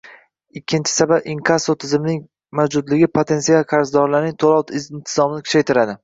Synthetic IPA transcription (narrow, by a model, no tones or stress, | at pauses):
ɪkʲʰːɪnt͡ʃʰɪ̥sababɪŋkʰasot̪ʰɪzɪmɪnɪŋ | mawd͡ʒʊd̪lɪɡʲɪpʰot̪ʰe̞nsialˠqʰaɾzd̪ɒɾlaɾnɪŋt̪ʰolˠɒwt̪ʰɪzɪnt̪ʰɪzɒmɪnɪkʰʊ̥t͡ʃʰajt̪ʰɪɾad̪ɪ